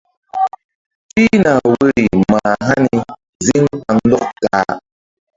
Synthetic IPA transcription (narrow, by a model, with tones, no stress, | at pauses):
fi˦na˨we˦ɾi˨ma˨ɦa˦ni˨ | zi˦ŋk͡pa˨ŋ˦dɔ˦k̚taː˨˦